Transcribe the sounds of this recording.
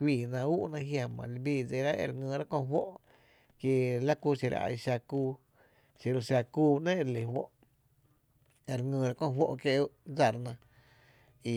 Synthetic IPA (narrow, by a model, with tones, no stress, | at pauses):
kʷiː˧˨nã˧u˦ʔnã˧ɦja˧mã̰˨li˧biː˧˨d͡ze˧ɾa˦ʔḛ˧ɾŋɨ̃ː˧˨ɾa˦kõ˧˨˦ɦwo˦ʔ | kje˧la˦kuː˧˦ʃi˧ɾa̰˨a̰˧˨jʃa˧kuː˧ | si˧ɾo˧ʃa˧kuː˦˧nẽ˦˧ɾle˨hwo̰˦ʔ | e˧˨ɾŋɨ̃ː˧˨ɾa˦kõ˦˧˨wo˦ʔkje˧˦ʔd͡za˧˨ɾnã˧ | i˧